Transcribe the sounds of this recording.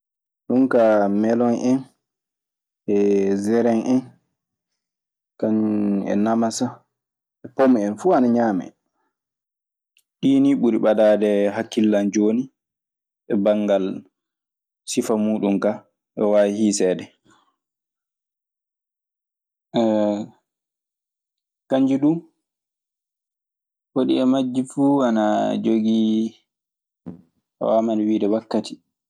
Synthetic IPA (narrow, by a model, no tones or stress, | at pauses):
ɗunkamɛlɔnʔɛn | ɛzɛɾɛnʔɛn | kanɛ̰namasa | ɛpomɛnfuːanaɲaːmɛ̰ | ɗiːniɓuɾiɓadaːdɛɦakːilːand͡ʒoːni | ɓɛbaŋɡal | sifamuːɗumka | ʔɛwaihisɛːdɛ | kaɲd͡ʒiɗu | hoɗḭɛmad͡ʒːifuːanad͡ʒoɡi | wamanwiːdɛwakːati̥